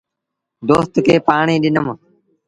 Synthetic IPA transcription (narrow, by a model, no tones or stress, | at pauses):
d̪oːst̪kʰeːpaːɳĩːɗɪnəm